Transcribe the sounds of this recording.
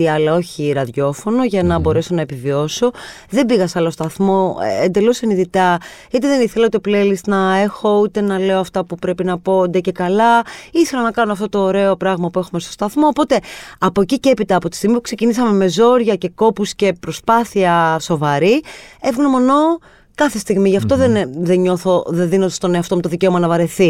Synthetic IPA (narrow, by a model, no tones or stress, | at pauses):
iɐlɐo̞çiɾɐðʝo̞fo̞no̞ʝɐnɐbo̞ɾe̞so̞nɐepivio̞so̞ | ðe̞biɣɐsɐlost̪ɐθmo̞̰end̪e̞loseniðit̪ɐ | it̪eðeniθelɐut̪eplelist̪nɐe̞xo̞ut̪e̞nɐle̞oɐft̪ɐpupɾe̞pinɐpo̞d̪ece̞kɐlɐiθe̞lɐnɐkɐnoɐft̪o̞t̪o̞ːɾe̞o̞pɾɐɣmɐpue̞xume̞st̪ost̪ɐθmo̞ːpo̞t̪e̞ɐpo̞ciceepit̪ɐːpo̞t̪i̥st̪iɣmipu̥kse̞cinisɐme̞me̞zo̞ɾʝɐce̞ko̞pusce̞pɾo̞spɐθiɐso̞vɐɾievɣunomo̞no̞ | kɐθe̞st̪iɣmiʝɐft̪o̞ðenðeɲo̞θoðenðinod̪ɐst̪oneɐft̪omet̪oðice̞o̞mɐnɐvɐɾe̞θi